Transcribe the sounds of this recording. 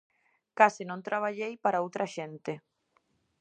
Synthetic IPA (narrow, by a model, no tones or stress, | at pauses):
kasɪnõnt̪ɾaβ̞aʎejpaɾaowt̪ɾaʃent̪ɪ